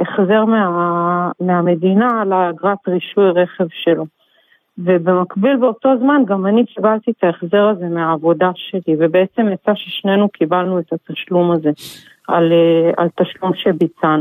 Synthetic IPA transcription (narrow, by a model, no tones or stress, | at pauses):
eχze̞ʁmeameame̞dinalaɡʁat̪ʁiʃujʁe̞χe̞vʃe̞lo̞ | ve̞be̞makbilbeot̪o̞zmanɡamanikibalt̪iet̪aeχze̞ʁaze̞meaːvo̞daʃe̞live̞be̞et͡se̞mjat͡saʃeʃne̞nukʰibalnuet̪at̪aʃlumaze̞ | ʔalea̰lt̪aʃlumʃebit͡sanu